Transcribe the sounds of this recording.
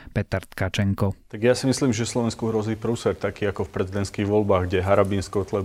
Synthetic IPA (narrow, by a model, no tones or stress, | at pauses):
pɛt̪aɾt̪kat͡ʃɛŋkɔt̪aɡjasimisliːmʒɛslɔʋɛnskuɦɾɔziːpɾuːsɛɾt̪akiːakɔfpɾɛzid̪ɛnt̪skiːɣʋɔlbaːɣɡɟɛɦaɾabiːnskɔt̪lɛ